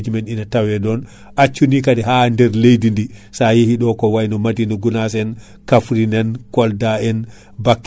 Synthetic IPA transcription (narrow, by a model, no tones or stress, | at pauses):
d͡ʒumɛninatawɛɗɔn | at͡ʃːunikadɛɦandɛɾlejdindisajihiɗɔkɔwajnɔmadinɔɡunas̬ɛn | kafɾinɛnkɔldaɛn | bakː